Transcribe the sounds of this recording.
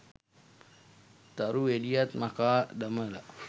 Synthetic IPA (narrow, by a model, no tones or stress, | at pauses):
t̪aɾuelijat̪makaːdaməla̰